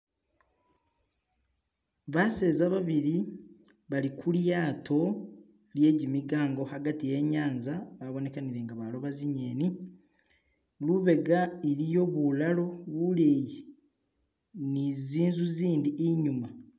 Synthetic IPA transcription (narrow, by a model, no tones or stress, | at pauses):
βase̞ːzaβaβiɾi | βalikʰuljaːtʰo̞ | lje̞ːɟimiɡaːŋɡo̞haɡatije̞ɲaːnzaβaβo̞ne̞kaniɾe̞ːŋɡaβalo̞βaziɲe̞ːni | luβe̞ɡaiɾijo̞βulalo̞βuleji | niziːnzuziːndiʔiɲuma